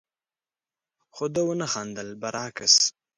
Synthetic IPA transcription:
xod̪əwənaxɑnd̪əlbaɾʔɑːkəs

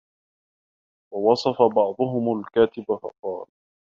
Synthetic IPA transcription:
wɑwɑsˤɑfabɑʕd̪ˤʊɦʊmalkaːt̪ɪbafɑ̰qɑːl

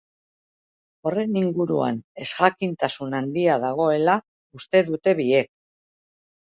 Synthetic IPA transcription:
o̞re̞niŋɡuɾua̰ne̞sɣakint̪asunand̪iaðaɣ̞o̞e̞la | ust̪e̞ðut̪e̞βie̞k̚

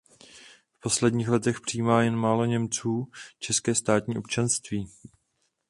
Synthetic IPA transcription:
fpo̞slɛdɲiːxlɛt̪ɛxpr̝̥iiːmaːjɛnmaːlo̞ɲɛmt͡suːt͡ʃɛskɛːst̪aːt̪ɲiːʔop̚t͡ʃanst̪viː

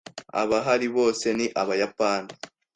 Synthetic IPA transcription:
a̰βaɦaɾiβo̞ːse̞niʔaβajapaːni

